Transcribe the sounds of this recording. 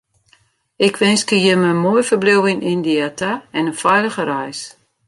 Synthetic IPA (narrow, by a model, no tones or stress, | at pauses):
ɪkʰʋɪnskəjəmənmojfərblɪwɪnindiatʰaɛnənfɛjləɣərajs